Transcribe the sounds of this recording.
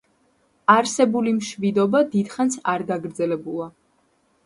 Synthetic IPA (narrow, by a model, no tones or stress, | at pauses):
aɾsɛbulimʃvid̪ɔbad̪id̪χansaɾɡaɡɾd̪zɛlɛbulˠa